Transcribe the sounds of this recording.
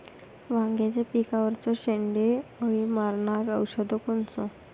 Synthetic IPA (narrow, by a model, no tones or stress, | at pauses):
ʋãŋɡjat͡sepikaʋəɾt͡sɔɕeɳɖeəɽimaɾɳaɾəwɕəd̪ʱɔkont͡sɔ